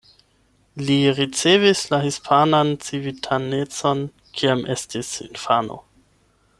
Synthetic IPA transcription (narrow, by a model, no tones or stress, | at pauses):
liɾit͡sevislahispʰanant͡sivitʰanet͡so̞n | kʰiamʔestisḭnfano̰